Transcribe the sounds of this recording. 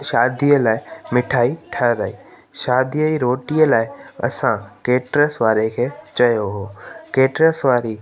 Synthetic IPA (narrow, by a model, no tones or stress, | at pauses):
ʃaːd̪ijəlaːɪmɪʈʰaːiʈʰɐɾaːiː | ʃaːd̪ijəiɾoːʈiːəlaːɪɐ̰sãkeːʈɾəsʋaːɾekʰeːt͡ɕɐjoɦoːkeːʈɾəsʋaːɾi